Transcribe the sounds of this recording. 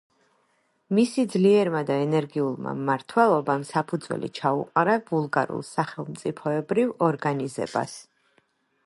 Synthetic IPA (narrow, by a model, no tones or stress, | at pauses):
misid̪zliɛɾmad̪aɛnɛɾɡiulˠma̰mːaɾt̪ʰwɛlˠɔbamsapʰud̪zwɛ̰lḭt͡ʃʰaṵqʼaɾavulˠɡaɾṵlˠsaχɛlˠmt̪sʼipʰɔɛbɾivɔɾɡanizɛ̰ba̰s